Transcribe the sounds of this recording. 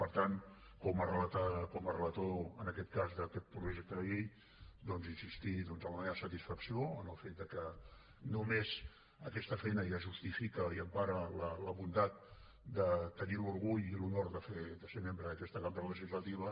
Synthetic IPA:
pəɾt̪an | kɔmərələt̪akɔmərələt̪oənəkɛt̪kazðəkɛt̪̚pɾuʒɛk̚t̪əðəʎej | d̪ɔnzinsist̪iðɔnzəmləmeβəsət̪isfəksioənəlˠfet̪̚d̪əkə | numez | əkɛst̪əfɛjnəjaʒust̪ifikəiəmpaɾələləβund̪at̪̚ | d̪ət̪əniluɾɣ̞uʎilunoɾðəfed̪əsemembɾəðəkɛst̪əkamɾləʒizlət̪iβ̞ə

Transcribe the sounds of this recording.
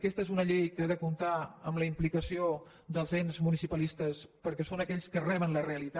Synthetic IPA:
kɛst̪əezunəʎejkəaðəkunt̪aə̰mləimplikəsio | ðəlˠzenzmunisipəlist̪əspəɾkɛsonəkɛʎskərɛβ̞ənləreəlit̪a

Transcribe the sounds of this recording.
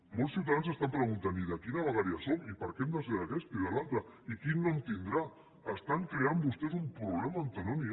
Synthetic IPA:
mɔlˠsiwt̪aðanzəst̪ampɾəɣunt̪aniðəkinəβəɣ̞aɾiasomipəɾkɛmd̪əzeɾakɛsp̪iðəlalˠt̪ɾəikinːɔmt̪ind̪ɾa | əst̪aŋkɾeambust̪ɛzumpɾuβlɛmaːnt̪ənɔni

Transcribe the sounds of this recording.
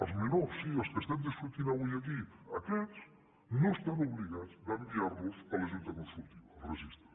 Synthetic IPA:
ə̰lˠzmenoɾsːiəskəst̪ɛmd̪isfɾut̪inaujɐkiɐkɛs | nõst̪anuβliɣad̪zd̪ɐmbiaɾβosɐlɐʒunt̪ɐkonsɾult̪iβɐrəʒist̪ɾɐ

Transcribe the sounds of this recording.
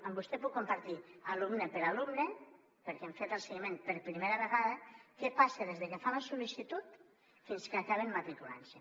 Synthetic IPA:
embust̪epukːompaɾt̪ialumnepeɾalumne | peɾkeeɱfet̪elˠseɣimenpeɾpɾimeɾaβeɣaðɐkepaseðezðekefalasulisit̪ut̪ | finskakaβenmat̪ɾikula̰nse

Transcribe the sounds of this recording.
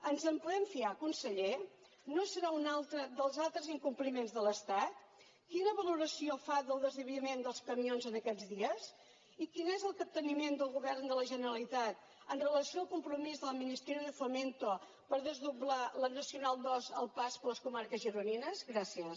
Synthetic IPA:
ənzəmpuðɛmfiakunsəʎe | nosəɾaunalˠt̪ɾəðəlˠzalˠt̪ɾəziŋkumplimenzðələst̪at̪ | kinəβəluɾəsiofaðəlˠd̪əzðiβiimend̪əlˠskəmionzənəkɛd͡zðiəs | ikinezəlˠkəp̚t̪ənimend̪əlˠɣuβɛrnd̪ələʒənəɾəlit̪at̪̚ | ənrələsioəlˠkumpɾumizðələminist̪ɾiəðəfument̪o | pəɾðəzðublalənəsiunalˠd̪ɔzə̰lˠpaspələskumaɾkəzʒəɾuninəzɣɾasiə

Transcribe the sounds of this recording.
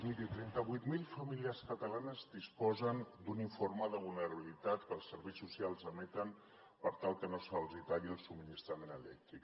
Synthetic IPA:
milit̪ɾɛnt̪əβujt̪milˠfəmiliarskət̪əlanəzd̪ispɔzənd̪uniɱfoɾməðəβulˠnəɾəβilit̪at̪kəlˠsːəɾβɛjsusialˠzəmɛt̪ən | pəɾt̪alˠkənosalˠzit̪aʎiəlˠsubminist̪ɾəmenəlɛ̰k̚t̪ɾik

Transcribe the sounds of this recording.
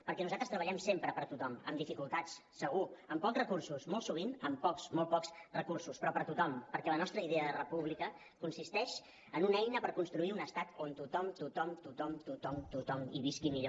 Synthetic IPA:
pəɾkɛnuzat̪ɾəst̪ɾəβəʎɛmsempɾəpəɾt̪ut̪ɔmə̰md̪ifikulˠt̪at͡sːəɣ̞uəmpɔkrəkursusmolˠsuβ̞inəmpɔksmol̚ˠpɔkzrəkursuspɾɔpəɾt̪ut̪ɔmpəɾkɛlənɔst̪ɾəiðeəðərəpuβlikə | kunsist̪ɛʃ | ənunɛjnəpəɾkunst̪ɾuiunəst̪at̪ont̪ut̪ɔmt̪ut̪ɔmt̪ut̪ɔmt̪ut̪ɔmt̪ut̪ɔmiβiskimiʎo

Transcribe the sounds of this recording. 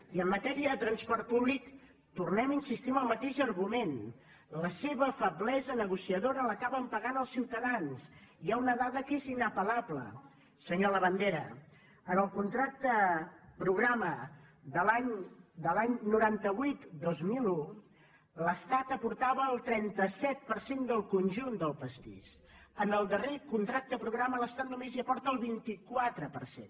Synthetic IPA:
iəmːət̪ɛɾiəðət̪ɾənspɔrt̪̚puβlik | t̪urnɛminsist̪iməlˠmət̪eʒərɣumen | ləseβəfəβlɛzənəɣusiəðoɾələkaβəmpəɣanəlˠsiwt̪əðansiaunəðaðəkezinəpəlaβlə̰ | səɲoləβənd̪eɾə | ənəlˠkunt̪ɾak̚t̪əpɾuɣɾaməðəlaɲd̪əlaɲnuɾant̪əβwuit̪d̪ozmilu | ləst̪at̪əpuɾt̪aβəːlˠt̪ɾɛnt̪əsɛt̪̚pəɾsend̪əlˠkunʲʒund̪əlˠpəst̪ḭʃ | ənəlˠd̪ərekunt̪ɾak̚t̪əpɾuɣɾamələst̪at̪̚numeziəpɔɾt̪əlˠβint̪ikwat̪ɾəpərsḛn

